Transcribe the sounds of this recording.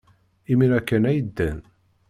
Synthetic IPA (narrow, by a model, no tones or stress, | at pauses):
imiɾækːænæjəd̪ːæn